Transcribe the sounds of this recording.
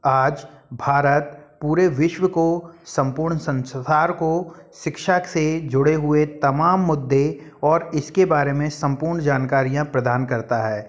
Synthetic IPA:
aːd͡ʒ | bʱaːɾət̪̚puːɾeʋɪʃwəkosɐ̃mpʊɾɳsɐ̃nsaːɾkoʃɪkʃaksed͡ʒʊɽeɦʊet̪ɐmaːmːʊd̪ːe | ɔːɾɪskebaːɾemẽsɐ̃mpʊːɾɳd͡ʒaːnkaːɾijãpɾɐd̪aːnkɐɾt̪aɦɛː

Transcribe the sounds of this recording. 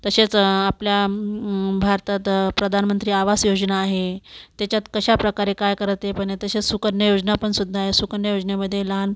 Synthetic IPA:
t̪əɕet͡sːplja | bʱaɾt̪at̪pɾəd̪ʱanmənt̪ɾiːaʋasjod͡znaːɦet̪jat͡ɕjat̪kəɕapɾəkaɾekajkəɾət̪epəɳet̪əɕet͡ssukəɾnjəjod͡znapəɳsud̪ʱːaːɦesukəɾnjəjod͡zneməd̪ʱːjelan

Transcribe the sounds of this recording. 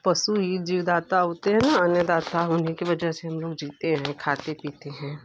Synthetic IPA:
pɐsuiːd͡ʒiːʋd̪aːt̪aɦoːt̪eɦɛ̃ːnaɐnjəd̪aːt̪aʊnɦikiʋɐd͡ʒaɦseɦɐmloːɡd͡ʒiːt̪eɦɛ̃kʰaːt̪epiːt̪eɦɛ̃ː

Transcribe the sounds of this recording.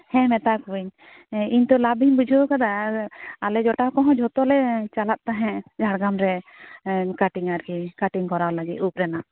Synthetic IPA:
hɛ̃mɛt̪akuiɲ | iɲt̪ɔlabiɲbud͡ʒʱɔkad̪a | alɛd͡ʒɔʈakɔɦɔ̃d͡ʒʱɔt̪ɔlɛt͡ʃalat̪̚t̪aɦɛ̃d͡ʒʱaɽɡamɾɛ | kaʈiŋaɾkikaʈiŋkɔɾawlaɡit̪̚up̚ɾɛna

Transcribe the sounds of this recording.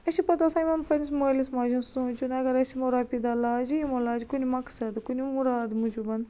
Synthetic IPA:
ɐsipɐt̪ɐsaːimɐmpɐnismolismaːd͡ʒũnst̪ut͡ʃunɐɡɐɾɐsimoɾaːpid̪aːlaːd͡ʒijimolaːd͡ʒikunimɐksɐd̪kunimuɾaːd̪mũd͡ʒubɐn

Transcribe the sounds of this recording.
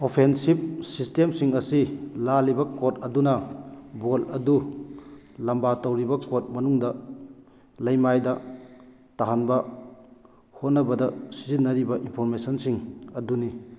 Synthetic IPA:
opʰensib̚sistemsiŋɐsilalibɐkot̚ɐdunɐbolɐdu | lɐmbatɐwɾibɐkot̚mɐnuŋdɐ | lɐjmajdɐ | taɦanbɐ | hot̚nɐbɐdɐsizinːɐɾibɐʔinpʰoɾmesɐnsiŋɐduni

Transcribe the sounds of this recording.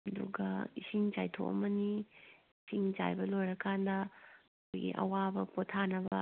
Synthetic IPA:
ɐduɡɐisiŋt͡ʃajtʰo̰ʔɐ̰mɐni | siŋt͡ʃa̰jbɐlojɾɐkʰandɐ | kʰojɡḭʔɐ̰wabɐpotʰːanɐbɐ

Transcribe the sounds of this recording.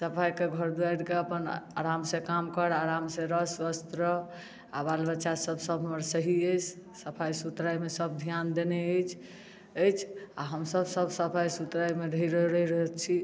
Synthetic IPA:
səpʰajkeɡʱəɾd̪uajɽkeəpəna̰ɾamsẽkamkəɾaɾamsẽɾəsʋəst̪ɾə | a̰balbəːʃasəbʱsəbʱɦəməɾsəɦiəjt͡ʃʰ | səpʰajsut̪ɾajmesəb̚d̪ʱjand̪eneəjt͡ʃʰ | əjt͡ʃʰaɦəmsəbsəbsəpʰajsut̪ɾajmeɾʱiɾəɾəɾəɦɛt͡ʃʰi

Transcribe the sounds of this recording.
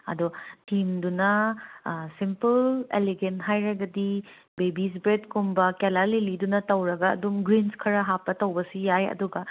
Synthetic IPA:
ɐ̰dɔtʰimdunɐ | simpɐlḛleɡentɦajɾɐɡɐdi | bebis̬bɾedkumbɐkelalelidunɐtɐwɾɐɡɐ̰ːdumɡɾinskʰɐɾɐɦapːɐtɐwbɐsijajɐ̰duɡɐ

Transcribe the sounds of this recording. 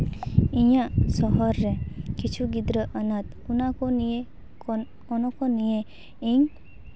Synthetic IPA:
ĩjasɔɦɔɾːɛkit͡ʃʰuɡid̪ɾəʔənat̪ | unakɔnie | ɔnɔkɔnije | iŋ

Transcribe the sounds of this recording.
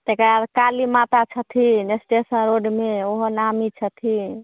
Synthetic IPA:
t̪ekəɾad̪kalimat̪at͡ʃʰət̪ʰinesʈesənɾoɖmeoɦonamit͡ʃʰət̪ʰi

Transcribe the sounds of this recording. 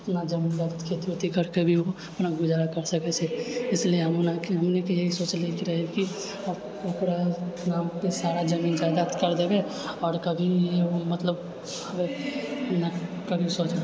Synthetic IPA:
ɐpnad͡ʒɐmiːnd̪akt̪kʰet̪iot̪ikəɾkebʱiʋo | ɐpnaɡʊd͡ʒaːɾakɐɾsɐkɛt͡ʃʰeɪslieɦɐmnakɦɐmnekejeɦisoːt͡ʃleːkeɾɐɦeki | ɐpɽanaːmpesaːɾad͡ʒɐmiːnd͡ʒaːd̪at̪kɐɾd̪ebe | ɔːɾkɐbʱieʋomɐt̪ləb | ɐme | na | kɐbʱisoːt͡ʃ

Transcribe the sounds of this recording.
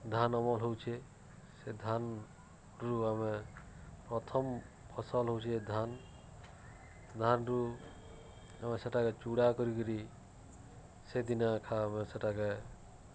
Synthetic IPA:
d̪ʱanɔmɔlɦowt͡ʃʰe | sed̪ʱan | ɾuame | pɾɔt̪ʰɔm | pʰɔsəlɦowt͡ʃʰed̪ʱan | d̪ʱanɾu | ameseʈaket͡ʃuɽakɔɾikɔɾi | sed̪inakʰameseʈake

